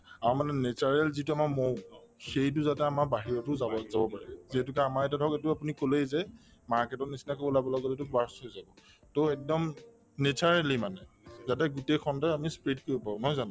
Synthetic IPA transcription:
amanɛnet͡ʃaɹɛlzituamaɹmowxejt̬ʊzatɛamaɹbaɦiɹɔtʊzazabɔ̰paɹɛziɦɛtukɛamaɹɛtadʱɔketʊapunikolejzɛ | maɹkɛtɔtnisinakobɔlabɔlɔɡɔtzetʊkbaɹshojzabɔ | toɛk̚dɔm | net͡ʃaɹɛlimanɛ | zatɛɡutexʰɔndajamispɹidkoɹipaʊnɔjzanã

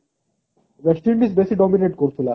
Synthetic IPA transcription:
bɛsʈiɾmisbesiɖɔminẽɳʈ̚koɾt̪ʰila

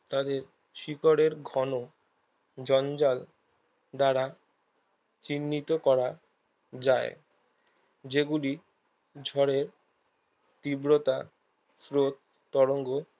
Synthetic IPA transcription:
t̪ad̪eɾ | ʃikoɾeɾɡʱɔno | d͡ʑɔnd͡ʑal | d̪aɾa | t͡ɕinːit̪okɔɾa | d͡ʑaḛ | d͡ʑeɡuli | d͡ʑʱɔɾeɾ | t̪ibɾot̪a | fɾot̪̚ː | ɔɾoŋɡo

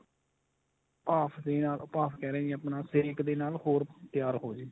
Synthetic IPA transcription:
ʊpaːpʰd̪eːnaːlʊpaːpʰkɛːɾɛːəpnaːsɪɾɪkd̪eːnaːlhoːɾt̪ɪjaːɾɦoːd͡ʒeː

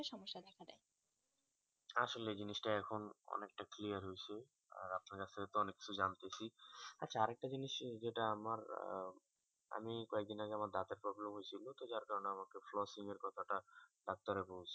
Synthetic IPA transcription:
ʃɔmoʃːad̪ɛkʰanaj | aʃoleed͡ʑiniʃʈaɛkʰonɔ̰nek̚ʈakliaɾɦojt͡ɕʰe | a̰ɾapnaɾkat͡ɕ̪ʰet̪oɔnekːi̥t͡ɕʰud͡ʑant̪et͡ɕʰiatːɕʰaaɾɛk̚ʈad͡ʑiniʃd͡ʑeʈaamaɾ | a̰mikɔek̚d̪inaɡeamaɾd̪at̪eɾpɾɔblemɦojt͡ɕʰilot̪od͡ʑaɾkaɾoneamakeflɔsiŋeɾkɔt̪ʰaʈaɖɔk̚t̪aɾebolt͡ɕʰi

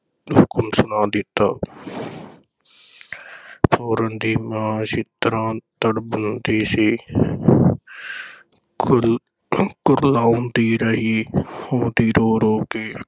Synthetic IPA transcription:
ɦʊkmsʊnaːd̪ɪt̪ːaː | pʰoːɾənd̪iːmãːsit̪əɾãːt̪əɽbənd̪iːsiː | kʊɾlaːund̪iːɾəɦiːhõːt̪iːɾoːɾoːkeː

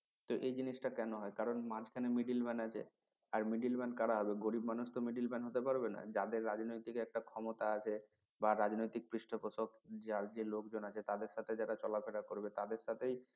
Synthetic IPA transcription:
t̪oʔejd͡ʑiniʃʈakɛnoɦɔekaɾonmãt͡ɕʰkʰanemiɖilbɛnat͡ɕʰḛ | aɾmiɖilbɛnkaɾaɦɔbeɡoɾibmanuʃt̪omiɖilbɛnɦot̪epaɾbena̰d͡ʑad̪eɾːad͡ʑnojt̪ikɛk̚ʈakʰɔmot̪aat͡ɕʰe | baɾad͡ʑnojt̪ik̚pɾiʃʈʰopoʃokd͡ʑaɾd͡ʑelokd͡ʑonat͡ɕʰet̪ad̪eɾʃat̪ʰed͡ʑaɾat͡ɕɔlapfʰeɽakoɾbet̪ad̪eɾʃat̪ʰej

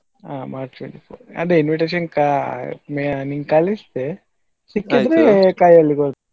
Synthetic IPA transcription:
aːmaːɾt͡ʃʈʋeɳʈipʰo̰ːɾɐ̰d̪einʋiʈeːʃɐnkameniŋɡkaːlist̪e | sikːid̪ɾekaːjɐlːiɡo

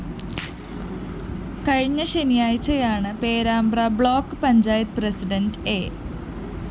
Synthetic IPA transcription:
kɐɻiɲːɐɕenijaːjit͡ɕːɐjaːɳɨpe̞ːɾaːmbrɐbɭo̞ːkːɨpɐɲd͡ʑaːjɐt̪presiɖɐnɖeː

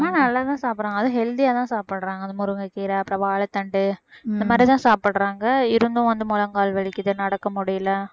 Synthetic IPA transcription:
maːnɐlːaːt̪ãːsaːpɪɾãːŋɡɐðɯɦɛld̪ɪjaːt̪ãːsaːpɐɽɾaːŋɡɐðɯmʊɾɯŋɡɐkiːɾɐɐpːɯɾɐ̃ːʋaːɭɐt̪ːɐɳɖɯɪnd̪ɐmaːd̪ɾit̪ãːsaːpɪɽɾaːŋɡɐɪɾɯnd̪ʊ̃ʋɐnd̪ɯmʊlɐŋɡaːlʋɐɭɪkʲːɪðɯnɐɽɐkːɐmʊɽɪjɪlɐ

